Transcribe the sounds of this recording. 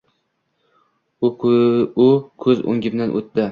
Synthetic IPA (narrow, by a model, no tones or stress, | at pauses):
ʊkʰɵzo̰ŋʲɡʲɪbnanʔo̰t̪̚d̪ɪ